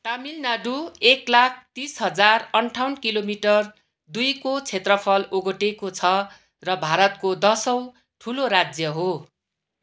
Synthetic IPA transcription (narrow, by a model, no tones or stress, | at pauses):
t̪amilnaɖueklak̚ʰt̪isɦʌd͡zarʌɳʈʰawnkilomiʈʌr | d̪ujkot͡sʰet̪rʌpʰʌloɡoʈekot͡sʰʌ | rʌbʱaɾʌt̪kod̪ʌsʌw̃ | ʈʰuloɾad͡zjʌɦo